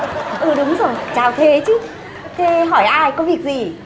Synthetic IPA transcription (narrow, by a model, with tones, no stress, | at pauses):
ʔɨː˨˧˩ɗʊ˨˦ŋ͡mzo˨˩jt͡ɕaː˨˩wt̪ʰe˨˦t͡ɕɨ˨˦˥ | t̪ʰe˨˦ɦɔ˧˩jʔaː˧jkɔ˨˦vi˨˩ək̚zi˨˩